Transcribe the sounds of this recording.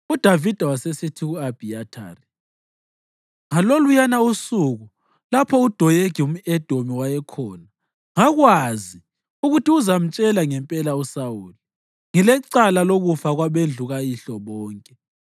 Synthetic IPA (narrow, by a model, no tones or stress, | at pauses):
ud̥ʱavid̥ʱawasesitʰiɣuab̥ʱiatʰa̰ːri | ŋalolujanausuɣu | lapʰɔud̥ʱɔjeɡʱium̩ɛd̥ʱomiwajɛkʰɔːna | ŋaɣwazi | uɣutʰiuzam̩t͡ʃʼɛlaŋɛmpʼɛlausawuːli | ŋilɛǀalaloɣufaɣwaβend͡ɮʱuɣajiɬɔβɔːŋkʼɛ